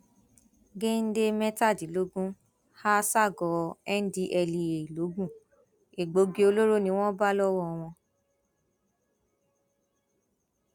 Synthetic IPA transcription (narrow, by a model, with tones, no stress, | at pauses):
ɡe˦n̩˦de˦mɛ˦ta˦˨di˨˦lo˨˦ɡũ˦ | ha˦sa˦˨ɡɔ˨˦ɛ˦n̩˦di˦ʔɛ˧li˨e˨i˨lo˨˦ɡũ˦˨ | e˨ɡ͡bo˨˦ɡi˧o˧lo˦ɾo˦nĩ˧˦w̃ɔ̃˦ba˦lɔ˦wɔ˦˧w̃ɔ̃˧